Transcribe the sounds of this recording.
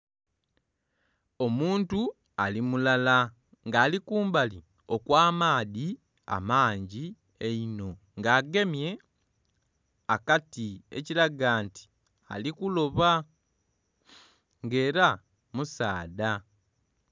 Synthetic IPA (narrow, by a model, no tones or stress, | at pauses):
o̞muːntu | alimulala | ŋɡaːlikuːmbali | o̞kwaːmaːði | a̰maːɲɟi | eino̞ | ŋɡaːɡe̞mje̞ | akatiḛcilaɡaːnti̥ | a̰likulo̞βa | ŋɡe̞ːɾa | musaːda